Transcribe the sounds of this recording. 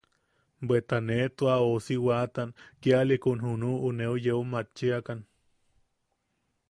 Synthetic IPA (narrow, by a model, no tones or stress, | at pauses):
bet̪anet̪uaosiwat̪ankialikunɦunuːneujeumat͡ʃːiakan